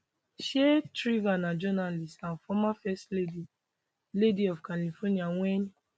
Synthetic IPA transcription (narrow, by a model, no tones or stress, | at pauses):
ʃetɹivanãd͡ʒɔnalistãnfɔmafɛstledi | lediɔfkalifɔniawɛn